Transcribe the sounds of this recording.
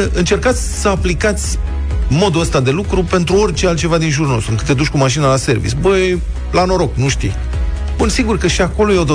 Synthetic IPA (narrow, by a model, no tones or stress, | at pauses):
ʔɨnt͡ʃe̞rkat̪sʲsəaplikat̪sʲ | mo̞d̪uəst̪ad̪e̞lukɾupe̞nt̪ɾuo̞rʲt͡ʃealt̪̚t͡ʃe̞vad̪inʒurno̞st̪uɨŋkɨt̪ːed̪ut͡ʃʲkumaʃinəlase̞rvḭsbəj | lano̞ɾo̞knuʃt̪ḭ | bunsiɡurkəʃiako̞lojeo̞d̪o